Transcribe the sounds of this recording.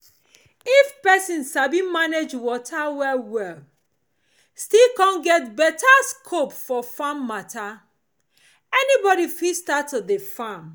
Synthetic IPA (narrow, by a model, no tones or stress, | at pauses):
ifpɛsĩnsabĩmaned͡ʒwɔtʰawɛlwɛl | stilkãnɡɛtbɛtʰaskʰopfɔfamːatʰa | ɛnibɔɾifistatɔdefãm